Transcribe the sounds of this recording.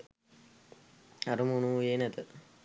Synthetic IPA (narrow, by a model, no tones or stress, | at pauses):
aɾumunujeːnɛt̪ə